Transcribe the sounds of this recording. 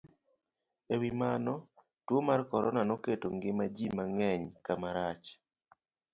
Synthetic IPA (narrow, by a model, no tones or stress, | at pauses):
ewimanɔ | twomarkɔɾɔnanɔketoŋɡɪmad͡ʒimaŋɛɲkamaɾat͡ʃ